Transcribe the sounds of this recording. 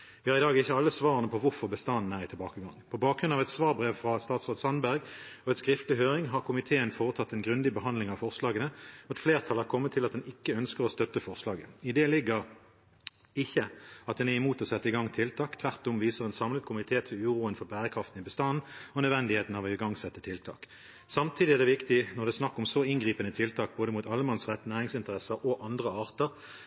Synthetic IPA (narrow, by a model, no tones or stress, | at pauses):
ʋɪhɑːʁɪd̪ɑːɡɪçːəɑlːəsʋɑːʁənəpʰɔʋʊʁfɔʁbəst̪ɑnn̩æʁɪt̪ʰɪlbɑːkəɡɑŋpʰɔbɑːkɡʁʉnɑʋɛt̪sʋɑːʁbʁeːʋfʁɑst̪ɑːt̪sʁoːd̪sɑnbæʁɡɔɛnskʁɪft̪lɪɦøːʁɪŋɦɑʁkʰʊmɪt̪ʰeːənfoːʁət̪ʰɑt̪ːɛnɡʁʉnd̪ɪbəɦɑnd̪lɪŋɑʋfɔʁslɑːɡənəɑt̪fleːʁt̪ʰɑlɑʁkʰɔmːət̪ʰːɪlɑt̪̚d̪ɛnɪkːəœnskəʁɔst̪œt̪ːəfɔʁslɑːɡəɪd̪ɛːlɪɡəʁ | ɪçːəɑt̪̚d̪ɛnɛʁɪmuːt̪ɔsɛt̪ːəɪɡɑŋt̪ʰɪlt̪ʰɑːkt̪ʰʋæʁt̪ɔmʋiːsəʁɛːnsɑmləkʰʊmɪt̪ʰeːt̪ʰɪlʉːʁuːənfɔʁbæːʁəkʰʁɑft̪n̩ɪbəst̪ɑnːɔnœd̪ʋɛnd̪ɪheːt̪n̩ɑʋɛɡɑŋsɛt̪ːət̪ʰɪlt̪ʰɑ̰ːk | sɑmt̪ʰiːd̪ɪæʁd̪ɛːʋɪkt̪ɪnɔʁd̪ɛsnɑkːɔmsɔɪnɡʁiːpənət̪ʰɪlt̪ʰɑːk̚boːd̪əmuːt̪ɑləmɑnsʁɛt̪ːnæːʁɪŋsɪnt̪əʁɛsəʁʔɔʔɑnd̪ʁəɑːʁt̪əʁ